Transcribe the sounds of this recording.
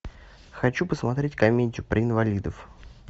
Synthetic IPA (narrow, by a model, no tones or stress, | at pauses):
xɐt͡ɕupəsmɐt̪ɾʲetʲkɐmʲetʲʊpɾʔəɪnvɐlʲid̪əf